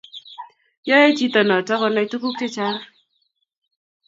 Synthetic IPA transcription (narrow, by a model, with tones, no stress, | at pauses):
jɔ˦je˦t͡ʃi˦tɔ˨nɔ˨tɔ˦kɔ˦na˦i˦tu˦ku˦k̚te˦t͡ʃa˦r